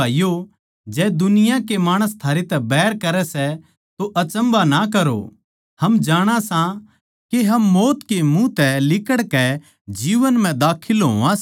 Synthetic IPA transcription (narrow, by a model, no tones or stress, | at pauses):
aːijo | d͡ʒɛːd̪ʊnɪjãkemaːɽ̃əst̪ʰaːɾet̪ɛbɛːɾkɐɾɛsɛ | t̪oʔɐt͡ʃə̃mbanak̬ɐɾo̰ | hɐmd͡ʒaːɽ̃ãsã | keɦɐmːoːt̪kemũt̪ɛlɪkəɽkɛ | d͡ʒiːʋənm̤ɛ̃d̪aːkʰɪlɦo̰ːãs